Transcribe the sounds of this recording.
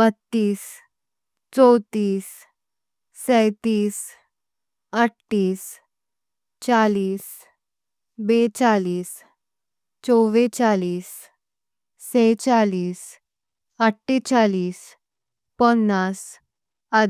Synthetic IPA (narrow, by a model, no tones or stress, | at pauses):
bət̪ːiːs | t͡sɔwt̪iːsː | ɛjt̪iːs | əʈʈiːs | t͡saliːs | bet͡saliːs | t͡sɔʋet͡saliːs | et͡saliːs | əʈʰːet͡saliːs | pɔnːas | a